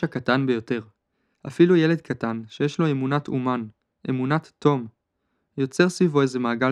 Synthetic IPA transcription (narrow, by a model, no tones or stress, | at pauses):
akatanbejo̞te̞ʁ | ʔafiluje̞le̞d̪kʰatanʃejeʃlo̞e̞munatʰuman | ʔe̞munatːo̞m | jo̞t͡se̞ʁsvivo̞eze̞maːɡa